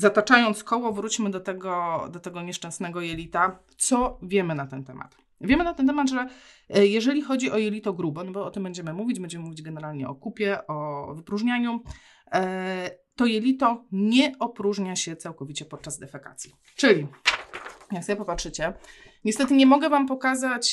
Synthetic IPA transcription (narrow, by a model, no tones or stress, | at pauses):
zat̪at͡ʂajɔnt̪skɔwɔvɾut͡ɕmɘd̪ɔt̪ɛɡɔd̪ɔt̪ɛɡɔɲɛʂt͡ʂɛ̃w̃snɛɡɔjɛlʲit̪a | t̪sɔvʲjɛmɘnat̪ɛnt̪ɛma̰t̪ | vʲjɛmɘnat̪ɛnt̪ɛmad̪ʐɛ | jɛʐɛlʲixɔd͡ʑiʔɔjɛlʲit̪ɔɡɾubɔnɔbɔɔt̪ɘmbɛɲd͡ʑɛmɘmuvʲid͡ʑbɛɲd͡ʑɛmɘmuvʲid͡ʑɡɛnɛɾalɲɛ̰ɔkupʲjɛʔɔvɘpɾuʐɲaɲu | t̪ɔjɛlʲit̪ɔɲɛʔɔpɾuʐɲaɕɛt̪sawkɔvʲit͡ɕɛpɔt̪̚t͡ʂazd̪ɛfaka̰t̪sʲji | t͡ʂɘlʲi | jaksɔbʲjepɔpatʂɘt͡ɕɛ | ɲɛst̪ɛt̪ɘɲɛmɔɡɛvampɔkazat͡ɕ